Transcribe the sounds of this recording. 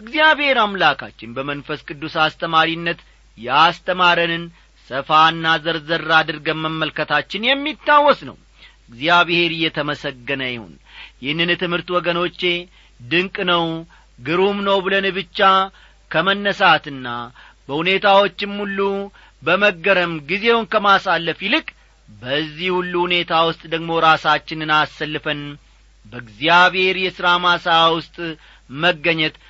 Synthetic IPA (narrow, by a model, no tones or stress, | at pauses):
ʔɨɡzijaβhe̞ɾamlakʰa̰t͡ʃːɪnbəmənfəskʼɨd̪ːusast̪ʰəmaɾinːət̪ | jɛast̪ʰəmaɾənɨn | səfaɨnːazəɾzəɾːad̪ɨɾɡəmːəmːəlkət̪ʰat͡ʃːɪnjɛmːit̪ːawːɔsnə̰w | ɨɡzjaβhe̞ɾɨjːɛt̪ʰəməsəɡːənəjɪho̰n | jɪhnːɨnt̪ɨmhɨɾt̪wɔɡəno̞t͡ʃːe̞ | d̪ɨŋkʼnəw | ɡɨɾumnəwbɨlənɨβɨt͡ʃːa | kʰəmənːəsat̪ɨnːa | bəhune̞t̪ʰawo̞t͡ʃːɪmːulːu | bəməɡːəɾəmɡize̞wʊnkəmasalːəfjɪlɨkʼ | bəzːihhulːuhune̞t̪ʰawʊst̪ʼd̪əɡmo̞ɾasat͡ʃːɪnɨnasːəlːɨfən | bəɡzijaβhe̞ɾjɛsɨɾamasəawʊst̪ʼ | məɡːəɲːɛt̪